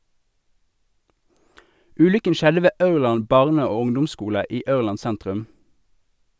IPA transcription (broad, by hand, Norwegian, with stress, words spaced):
ˈʉːlʏkən ˈʃɛdə ˈʋeː ˈʔɑʉʁˌlɑn ˈbɑʁnə ˈoː ˈʊŋdʊmˌskuːlə ˈiː ˈɑʉʁˌlɑn ˈsæntʁʉm